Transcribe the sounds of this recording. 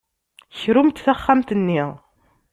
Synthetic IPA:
çɾumt̪θæχːæmt̪ənːiʁ

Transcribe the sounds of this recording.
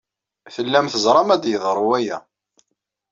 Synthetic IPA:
θəlːæmθəzˤɾˤɑmæd̪jəðˤɾˤuwæjæ̰

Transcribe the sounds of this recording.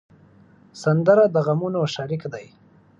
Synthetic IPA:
sand̪əɾad̪əɣamunoʃaɾɪkd̪aj

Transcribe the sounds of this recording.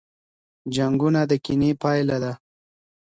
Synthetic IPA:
d͡ʒaŋɡunad̪əkinepɑjlad̪a

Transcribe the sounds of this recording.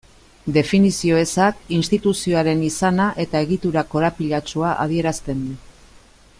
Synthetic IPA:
d̪e̞finisio̞e̞sakinst̪it̪usio̞aɾe̞nisanaʔe̞t̪ae̞ɣit̪uɾako̞ɾapiʎat͡ʃuaʔa̰ð̞ie̞ɾast̪e̞nd̪u

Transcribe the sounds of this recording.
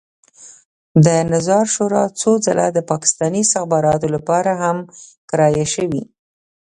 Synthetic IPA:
d̪ənazɑɾʃoɾɑt͡sod͡zala̰d̪əpɑkɪ̥st̪ɑniɪst̪ɪxbɑɾɑt̪olapɑɾaɦamkɾɑjaʃəwḭ

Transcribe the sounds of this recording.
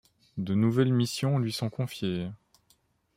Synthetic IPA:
d̪ənuvɛlmisjɔ̃lɥisɔ̃kɔ̃fje

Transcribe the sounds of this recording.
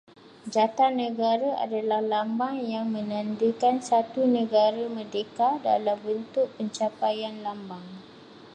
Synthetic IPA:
d͡ʒat̪anːə̃ɡaɾaʔa̰dalahlambaŋjaŋmə̃nãndəkansat̪unə̃ɡaɾamərdekada̰lambənt̪ʊʔ̚pəɲt͡ʃapajanlambaŋ

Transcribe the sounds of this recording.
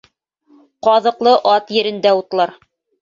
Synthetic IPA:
qɑðɤ̆qlˠɤʔɑt̪jɘ̆ɾɘ̆nd̪æut̪lˠɑɾ

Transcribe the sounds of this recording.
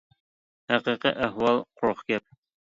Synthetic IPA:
hæqiqḭʔæɦwɑlˠqɾoχkæp̚

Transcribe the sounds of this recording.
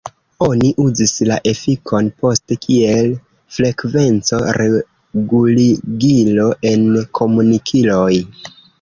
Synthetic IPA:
o̞niʔuzislaʔe̞fikʰo̞npo̞stekʰie̞l | fɾe̞kve̞nt͡so̞ɾe | ɡuliɡilo̞ʔe̞nkʰo̞munikʰilo̞j

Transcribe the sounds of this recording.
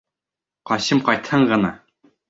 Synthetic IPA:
qɒɕɤmqɒjt̪hɤɴʁɤ̆nɑ̰

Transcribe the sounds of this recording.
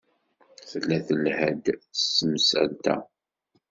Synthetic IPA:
θəlːæθəlhæd̪θəsːəmsæ̰lt̪æ̰

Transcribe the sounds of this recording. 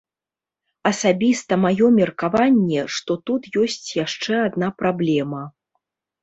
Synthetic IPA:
ɐsabʲist̪ɐmajɔmʲɛrkavanʲːɛʂt̪ɔt̪ut̪jɔsʲt͡sʲjaʂt͡ʂɛad̪napɾablʲɛmɐ

